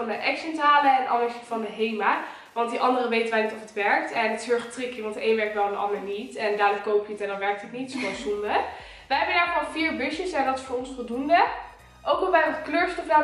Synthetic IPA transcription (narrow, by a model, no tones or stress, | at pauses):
ɑndəʔɛksɛntaːləɛnʔɑ̰ləɹsitfɑndəɦejmaː | ʋɑnt̚diʔɑndərəʋejtənʋɛajnitɔfətʋɛɹk̚tɛnətɦøɹχətrɪkjəʋɑntejnʋɛɹk̚ʋɛlˠndəʔɑ̰ndəɹnitɛndaːdokowpjəətɛndɑnʋɛɹk̚tətnitsoʋɛsundə | ʋəjɦɛbədaːləkɔlˠfiːɹbɵʃəsɛndɑtɪsfʊːɹɔnsfɔlˠdundə | ʔowkɔʋɛjəχkløːɹstɔfdaː